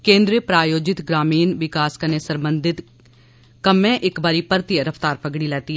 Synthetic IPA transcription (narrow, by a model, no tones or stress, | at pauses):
kẽːnd̪ɾepɾaːjoːd͡ʒɪt̪ɡɾaːmiːnʋɪkaːskəneːsəmbənd̪ɪt̪ | kəmẽːʔɪkbaːɾiːpəɾt̪ɪjəɾəpʰt̪aːɾpʰəɡɽiːlɛːt̪iː